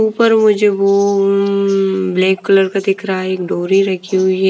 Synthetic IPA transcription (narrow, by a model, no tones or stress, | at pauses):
upəɾmʊd͡ʒʱeʋo | blɛ̃ːkːɐləɾkad̪ɪkɾaeːkɖoːɾiɾɐkʰiɦʊiɦɛ